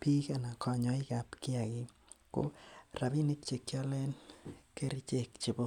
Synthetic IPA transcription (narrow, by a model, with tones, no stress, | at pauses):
pi˦ka˨na˨kɔ˨ɲɔ˦i˦ka˨pkɪ˦a˨kɪ | ko̰˦ra˨bi˦ni˦k̚t͡ʃe˨kjɔ˦le˦nke˦ɾi˦t͡ʃe˦kt͡ʃi˨bo˦